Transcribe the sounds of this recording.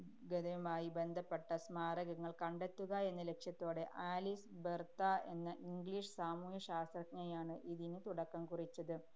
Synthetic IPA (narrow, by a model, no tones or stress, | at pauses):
ɡeðɐjumaːjibend̪ʱɐpːeʈːɐsmaːrɐɣɐŋːɐɭkɐɳɖet̪ːuɣɐe̞nːɐle̞kʂjɐt̪ːo̞ːɽe̞ʔaːlisbert̪ae̞nːɐʔiŋɡɭiːʂɨsaːmuːjɐɕaːst̪rɐkŋɐjaːɳɨʔiðinɨt̪uɽɐkːɐmkurit͡ɕːɐðɨ